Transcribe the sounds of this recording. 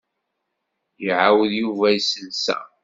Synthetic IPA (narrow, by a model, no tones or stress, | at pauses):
jəʕawəðjuvæjsənsæ̰